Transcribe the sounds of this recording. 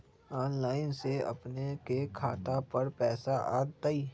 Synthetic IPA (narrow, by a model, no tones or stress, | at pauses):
ɔːnlaːɪnseɐ̰pnekekʰaːt̪apɐɾpɛːsaʔa̰ːt̪aiː